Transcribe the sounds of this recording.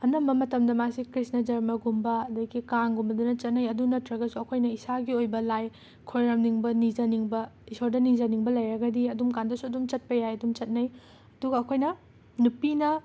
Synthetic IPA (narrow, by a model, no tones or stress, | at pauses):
ɐnɐmbɐmɐtɐmdɐmasikɾisnɐd͡ʒɐɾmɐɡumbɐɐdɐɡikaŋɡumbɐdunɐt͡ʃɐt̚nɐjɐdunɐtɾɐɡɐsuɐkʰojnɐisaɡiojbɐlaj | kʰojɾɐmniŋbɐnizɐniŋbɐisoɾdɐnizɐniŋbɐlɐjɾɐɡɐdiɐdumkandɐsuɐdumt͡ʃɐt̚pɐjajɐdumt͡ʃɐt̚nɐj | ɐduɡɐːkʰojnɐ | nupinɐ